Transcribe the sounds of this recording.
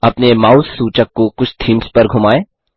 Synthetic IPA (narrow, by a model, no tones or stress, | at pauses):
ɐpnemaːʊsːuːt͡ʃəkːokʊt͡ʃʰt̪ʰiːmspɐɾɡʱʊmaːẽː